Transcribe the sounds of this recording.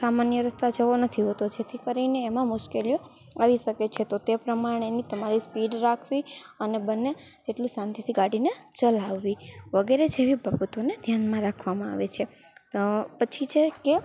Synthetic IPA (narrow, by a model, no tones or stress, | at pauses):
samanjəɾəst̪ad͡ʒəʋonət̪ʰiɦət̪od͡ʒet̪ʰikəɾineːmãmʊʃkelijo | aʋiʃəket͡ʃʰet̪ot̪epɾəmaɽ̃enit̪əmaɾispiɖɾakʰʋiənebənːe | t̪eʈlũsãnt̪ʰjit̪ʰiɡaɽinet͡ʃəlaʋːiʋəɡeɾed͡ʒeʋibʱəbət̪oned̪ʱjanmãɾakʰʋamãa̰ʋet͡ʃʰe | pət͡ʃʰit͡ʃʰeke